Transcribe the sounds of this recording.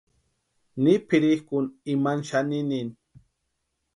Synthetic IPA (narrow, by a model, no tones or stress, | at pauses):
nɪpɪɾɪhkʊnɪmanʃanɪnɪn